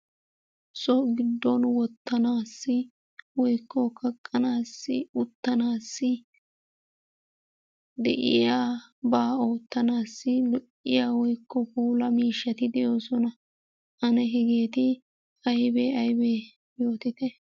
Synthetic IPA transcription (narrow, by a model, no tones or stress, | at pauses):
sɔɡɪd̪ːɔnwɔt̪ːɐnaːsːɪ | wɔjkːɔkʰɐkʼːɐnaːsːɪʊt̪ːɐnaːsːɪ | d̪ɛ̰ʔɪ̰jaːbaːo̞ːt̪ːɐnaːsːɪlʊʔɪjaːwɔjkːɔpuːlɐmiːʃːɐt̪ɪd̪ɛjo̞ːsɔnɐ | ɐnɛɦɪɡeːt̪ɪ | ɐjbeɐjbe | jo̞ːt̪ɪt̪ɛ